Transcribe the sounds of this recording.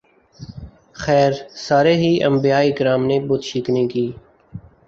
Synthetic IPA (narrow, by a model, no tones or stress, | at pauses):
xɛːɾsaːɾeɦiʔɐ̰̃mbijaːiɡɾaːmnebʊt̪ʃiːknekiː